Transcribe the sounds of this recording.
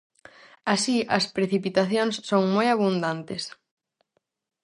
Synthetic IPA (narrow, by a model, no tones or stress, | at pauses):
asiɐspɾeθipit̪aθjoŋsːoŋmojaβund̪ant̪es